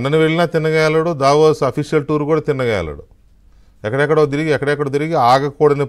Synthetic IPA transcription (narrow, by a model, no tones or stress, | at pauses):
nːɐniʋeɭːinaːt̪inːɐɡaːlɐɽud̪aːʋoːsɐpʰiʂijɐlʈuːɾukuːɽaːt̪inːɐɡa̰ːlɐ̰ɽṵ | ɛkːɐɽɛkːɐɽot̪̬iɾiɡiɛkːɐɽɛkːɐɽoːt̪iɾiɡiaːɡɐkuːɽɐne